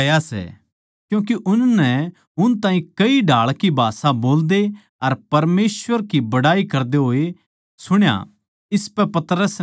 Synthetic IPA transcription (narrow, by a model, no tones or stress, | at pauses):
ɐjasɛ̰ | kjũːkiʔʊnnɛ | ʊnt̪ãːɦĩkɐiɖʱaːɭkibʱaːsãboːld̪e | ɐɾpɐɾmeːsʋəɾkibɐɽaːikɐɾd̪eɦoːe | sʊɽ̃ja̰ | ɪspɛpɐt̪ɾəs